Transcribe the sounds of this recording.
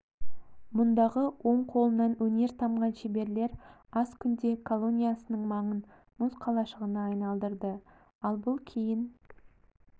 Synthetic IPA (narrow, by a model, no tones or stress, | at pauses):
mʊnd̪ɑʁəwo̞ɴqʰo̞lˠənɑnwɵne̞ɾt̪ʰɑmʁɑnʃebe̞ɾle̞ɾɑskʲʰʏnd̪e̞kʰolˠo̞nʲijasənəɴmɑɴən | mʊsqʰɑlˠɑʃəʁənɑːjnɑlˠd̪əɾd̪ə | ɑlˠbʊlˠkʲʰejɪn